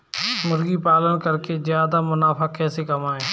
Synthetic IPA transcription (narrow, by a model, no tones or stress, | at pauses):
mʊɾɡiːpaːlənkəɾkeːzjaːd̪aːmʊnaːpʰaːkɛːseːkəmaːɦeː